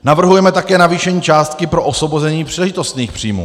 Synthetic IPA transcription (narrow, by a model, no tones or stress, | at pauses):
navr̩ɦujɛmɛt̪akɛːnaviːʃɛɲiːt͡ʃaːst̪kɪpɾo̞ʔosvo̞bozɛɲiːpr̥iːlɛʒɪt̪o̞st̪niːxpr̝̥iːmṵː